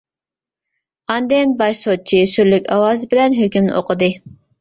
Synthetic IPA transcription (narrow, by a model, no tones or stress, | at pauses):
ɑnd̪enbɑʃsot̪̚t͡ʃʰisyɾlykʲɑwɑːzbɪlɛnɦøkʲymnɪ̰ʔoqʰəd̪ɨ